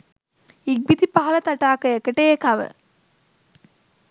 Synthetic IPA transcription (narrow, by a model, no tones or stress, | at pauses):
iɡ̚bit̪ipaɦɐlɐt̪aʈaːkəekəʈejekaʋə̰